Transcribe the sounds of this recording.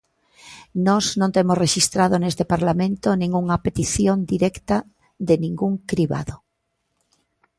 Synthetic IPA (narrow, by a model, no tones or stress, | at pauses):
nɔznõnt̪emosreʃist̪ɾað̞onest̪epaɾlamẽnt̪onĩŋuŋapet̪iθjond̪iɾɛkt̪a | ðenĩŋɡuŋkɾiβa̰ðo